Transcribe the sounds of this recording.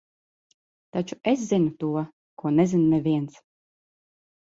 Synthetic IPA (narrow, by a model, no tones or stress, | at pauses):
t̪at͡ʃues̬zinut̪uɔ | kuɔnɛzinmʲɛvʲiɛnt̪s